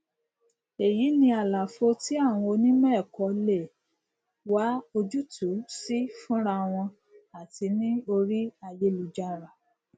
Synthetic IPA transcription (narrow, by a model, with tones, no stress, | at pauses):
e˨ji˨˦nĩ˧a˨la˨fo˧ti˦a˦˨w̃ɔ̃˧o˧nĩ˦mɛ̃˦˨kɔ˨˦le˦˨ | wa˦o˧d͡ʒu˦tʰu˨˦si˦fũ˦ɾa˧w̃ɔ̃˧ | a˨ti˧˦nĩ˦o˧ɾi˦a˧je˧lu˨d͡ʒa˧ɾa˨